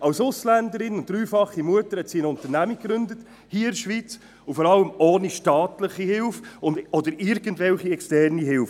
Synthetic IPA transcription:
ɑwsʊslænd̪əɾɪnʊnd̥ɾyːfɑχːimuətəɾhɛt̪siənʊnt̪əɾnæmikːɾʏndət | hiːəɪɾʃʋiːt͡s | ʊfɔɾɑləmoːniʃtɑːtləχihɪlfʊndɔd̪əɾɪɾɡəntvɛlχiɛkstɛrniɦɪlf

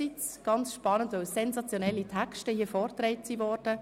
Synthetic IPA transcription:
it͡sɡ̥ɑnt͡sʃpɑnəntʋœwsɛnzɑt͡sjonɛlːitʰækʃtəhiəfɔːɾtɾɛɪtsivɔrd̥ə

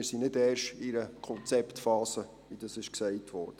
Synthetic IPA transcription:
ɪɾsinɪdɛːrʃɪɾəkʰɔnt͡sɛptfɑːsə | ʋid̥ɑsɪʃksɛɪtʋɔ̰ːɾd̥ə

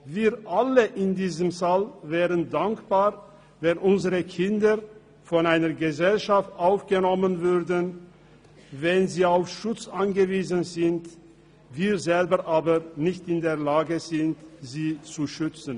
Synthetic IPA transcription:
viːɐʔaləʔɪndiːzəmsalvɛːʁəndaŋkb̥aːʁ | vɛnʔʊnzəʁəkʰɪndə | fɔnaɪnɐɡəzɛlʃaftʔaʊfɡ̥ənɔmənvʏʁdn | vɛnziːaʊfʃʊt͡sʔanɡəviːzənzɪnt | viːʁzɛlbəʁʔaːbənɪçtɪndeːɐlaːɡəzɪntz̥iːt͡suʃʏt͡sn̩

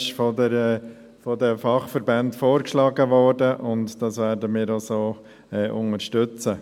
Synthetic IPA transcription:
ʃfɔdəɾ | fɔdɛfɑχfəɾbɛntfoːɾkʃlɑːɡəʋɔːɾdəʔʊntd̥ɑsʋɛːɾdəmiːɾosoː | ɛːʔʊnəɾʃtʏt͡sə

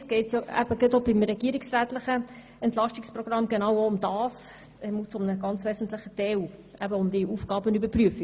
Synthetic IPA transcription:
t͡sɡ̥ɛɪtsjɔæ̰b̥əɡ̥ɛt̪obimɾɛɡ̥iəɾiksræːt̪lɪχə | ɛntlɑʃtikspɾrɔɡ̥rɑmɡenɑwoʊmd̥ɑːs | ɛmut͡sʊmnəɡ̥ɑnt͡sʋɛːzn̩t̪lɪχəd̥ɛwæbəʊmd̪iuːfɡ̥ɑːbənybəɾpryəfi

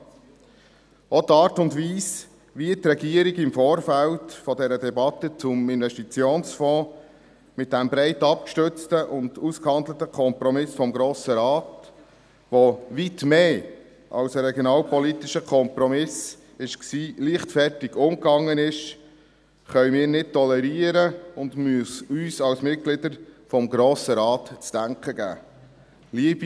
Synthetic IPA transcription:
ɔdɑːɾtʊndʋiːs | ʋiətrɛɡiːəɾiɡɪmfoːɾfæltfɔdɛɾədɛbɑt̪ːət͡sʊmɪnʋɛʃtit͡sjoːnsfɔ̃ː | mɪt̚dæmbɾɛɪtɑp̚kʃtʏt͡stəʔʊnd̥uskhɑnd̪lətəkʰɔmpɾɔmɪsfɔmɡɾoːsəɾɑːt | ʋoʋitmeː | ʔɑ̰wsəɾɛɡjoɔnɑːlpɔlit̪ɪʃəkʰɔmpɾɔmɪs | ɪʃksiːliːχtfɛrtɪɡ̥ʊmkɑŋːənɪʃ | χœʏmiːɾnɪt̚tɔlɛɾiːəɾəʊndmyəsyːsɑwsmɪt̚ɡ̥lɪd̪əɾfɔmɡɾoːsəɾɑːtt͡sd̥æŋkχəɡæ̰ː | liəbi

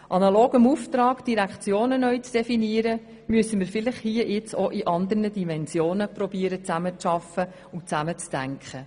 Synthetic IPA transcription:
ʔɑnɑloːɡəmuːft̪ɾɑːkd̥iɾækχt͡sjoːnənœɥt͡sd̥ɛfiniəɾə | myəsəmɪɾfɪlɪχhiəjɪt͡soʔiʔɑnd̪əɾnədimɛnsjoːnəpɾɔbiəɾət͡sæmət͡sʃɑfə | ʊt͡sæmət͡sd̥æŋkχə

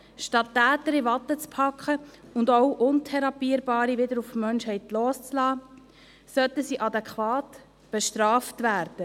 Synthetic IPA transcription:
ʃtɑtːæːtəɾivɑtːət͡spʰɑkχəʊndɔʊʔʊntʰɛɾɑpiːəɾbɑːɾiʋɪdəɾufmœnʃhɛɪtloːst͡slɑː | sœtəsiːʔɑdɛkχʋɑːt | b̥ɛʃtɾɑːftvæːɾd̥ə

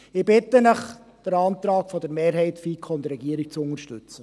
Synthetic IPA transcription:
ɪbɪt̪ənəχ | d̪̥əɾɑːnt̪ɾɑːkfɔd̥̪əɾmeːɾɦɛɪtfikʰɔndəɾɛɡiəɾik̚t͡sʊŋəɾʃtʉt͡sə

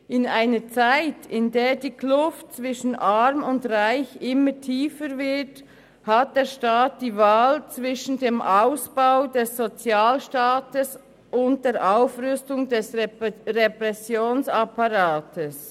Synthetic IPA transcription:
ʔɪnaɪnət͡saɪtʰɪndeːdiːkʰlʊft̚t͡svɪʃn̩ʔaʁmʊndʁaɪçʔɪmətʰiːfəɾvɪt | hat̚d̥eːʃtaːt̚d̥iːvaːlt͡svɪʃn̩deːmʔaʊsb̥aʊdɛsːot͡sjaːlʃtaːtəs | ʔʊnt̚d̥eːɾʔaʊfʁʏstʊŋdɛsʁɛpɾɛsjoːnsapaɾaːtʰəs

